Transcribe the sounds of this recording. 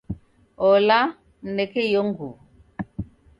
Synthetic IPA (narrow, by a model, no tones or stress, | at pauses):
ɔla | nɛkɛjoŋɡu